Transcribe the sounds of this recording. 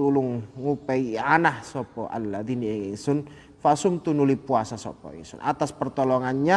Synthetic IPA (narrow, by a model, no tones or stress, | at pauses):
ulʊŋːupɛanahsɔpɔʔa̰lːad̪iniɛŋiŋsʊn | fasʊmt̪unulipuasasɔ̰pɔ̰ḭŋsʊ̰nʔa̰t̪aspərt̪ɔlɔŋanɲa